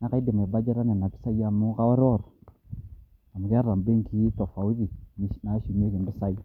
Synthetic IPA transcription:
na˨ka˦i˦de˨m˨ba˦d͡ʒa˦ɾa˦na˨na˨pi̥˦sa˦ja˨mu˦ka˦wa˦ɾo˦˨ɾ | a˨mu˨ka˦ɾa˨m˨be˦ŋki˦t̪o˨fa˨u˦ti˨n˦na˨˦ʃu˨me˦ke˨˦bi˦sa˦ji˦

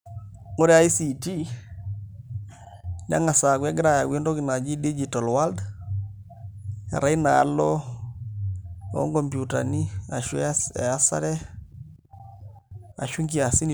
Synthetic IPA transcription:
ŋo˦ɾɛ˦a˦jsi˨ti˦ | d͡ʒa̰˦ŋa˨sa˨kwɛ˦ɡɾa˦ja˨wi˦ndɔ˦ki˨na˨d͡ʒi˦di˦d͡ʒi˨ta˨lwa˦ld | a̰˨ɾa˦ina˨a̰˦lɔ˦ | ɔ̰˦ŋkɔ˨mpju˨ta̰˨ni˦a˨ʃwɛsɛ̰a˦sa̰˦ɾɛ˦ | a̰˨ʃu˦ŋki˦a˨si˦n

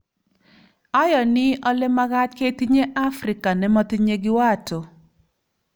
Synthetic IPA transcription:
ɔ˦jɔ˨nɪ˦ɔ˦lɪ˦ma˦ɡa˦tke˦t̪i˦ɲe˦ʔa˦fɾɪ˨ka˨nɛ˦mɔ˦t̪i˦ɲe˦ɡɪ˦wa˦˨to˨

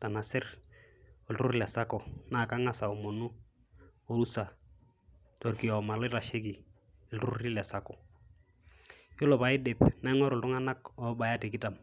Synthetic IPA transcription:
ta˨na˨sɪ˦r | ɔ˨ltu˦ɾɪ˦la˨sa˦kɔ˨na˨ka˦ŋa˦sa˨o˨mo˨nu˦ | o˦ɾu˦sa˨ | to˨rki˨jɔ˨ma˨lɔ˦ta˨ʃɪ˦ki˨ | ɛ˨ltu˦ɾɪ˦la˨sa˦kɔ˨ | jo˦lɔ˨pa˨ɪ˦dɪ˨pna˦ŋɔ˦ɾʊ˨ltʊ˦ŋa˦na˦kɔ˨˦ba˨ja˦tɪ˨kɪ˦ta˨m

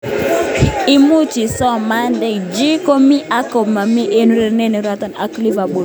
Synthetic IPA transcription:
i˨mu˦t͡ʃi˨sɔ˦˨ma˦ndɛ˨kd͡ʒi˦ko˦mi˦ʔa˦kɔ˨ma˨mi˦ʔe˦nu˦ɾɛ˨ɾnɛ˦nɛ˨ɾa˦ta˨na˨˦kli˦va˨bo˨ɾ

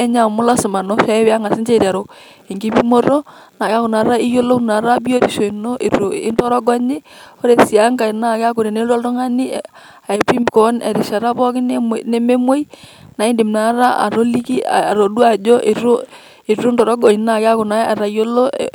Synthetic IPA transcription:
ɛ˦ɲa˨mʊ˦la˦sɪ˨ma˨no˦sɛ˦we˦a˦ŋa˨sɪ˦nt͡ʃe˦˨ɾa˨ɾo˨ | e˨ŋɡi˦bi˦mo˦ɾo˦ | na˨ka˦kʊ˨na˨ɾa˦i˦jo˦lo˦na˨ɾa˦bi˦o˦ɾi˨ʃo˨i˨no˦ʔi˨ɾo˨ɪ˦ntɔ˦ɾɔ˦ɡɔ˦ɲi˦o˦ɾe˨si˨a˦ŋka˨i˨na˦˨ka˦ku˨ɾe˨ne˦ɾɔ˦lto˦ŋa˦ni˦ | a˨e˨pi˦m˨kɔ˨˦nɛ̰˨ɾi˨ʃa˨ɾa˦pɔ˦kɪ˦n˦m˨ne˦me˦mo˦i˦ | na˨i˦ndi˨mna˨˦ɾa˦a̰˨ɾo˦li˦ki˦˨ɾo˨du˦a˨d͡ʒo˦ʔe˨ɾo˦ | i˨ɾu˦ndɔ˨ɾɔ˦ɡɔ˨i˨˦na˨ka˦kʊ˨na˨˦a˨ɾa˨˦jo˦lo̰˦

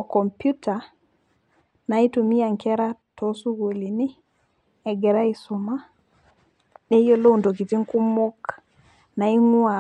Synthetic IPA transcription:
ɔ˨ko˨mpju˦ta˨ | na˨i˦tu˨mi˦a˨ŋke˦ɾa˦to˨su˦ɡo˨li˨ni˦ | e˨ɡe˨ɾa˦isu˨ma˦ | ɗe˦jo˦lo˦u˨ndo˨ki˨ti˦ŋku˦mo˦k | na˨i˦ŋu˦a

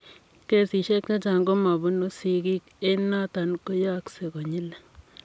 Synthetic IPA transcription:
ke˨si˨ʃɛ˦k̚t͡ʃa˦t͡ʃa˨ŋɡo˦ma˨bʊ˦no˦si˦ki˦ke˦na˦ta˨nko˦ja˦kse˨ko˨ɲi˦lɛ˨

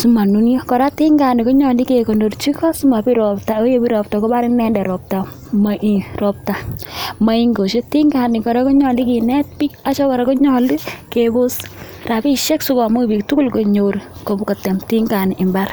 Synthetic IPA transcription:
su˦ma˨nu˦njɔ˦kɔ˨ɾa˦ti˦ŋɡa˨ni˨ko˦ɲɔ˨li˦ke˨ko˨ndo˨rt͡ʃi˦kɔ˦su˦ma˨pi˦ɾɔ˨p̚ta˨o˦je˦pi˦ɾɔ˨ptɔ˨ko˦ba˦ɾɪ˦ŋnɛ˦ndɛ˨ɾɔ˨p̚ta˨ | maʔirɔ˨p̚ta˨ma˨i˦ŋɡo˨ʃe˦ti˦ŋɡa˨nɪ˨kɔ˨ɾa˦kɔ˦ɲɔ˨li˦ki˨nɛ˦t̚pi˦ka˦t͡ʃɔ˦kɔ˨ɾa˦ko˦ɲɔ˨li˦ke˨bo˦s | ra˨pi˦ʃe˦ksu˦kɔ˨mu˦kpi˨ktu˦ku˦lko˨ɲo˨ɾ | ko˨ko˨tɛ˨mti˦ŋɡa˨ni˨ʔɪ˨mba˦r

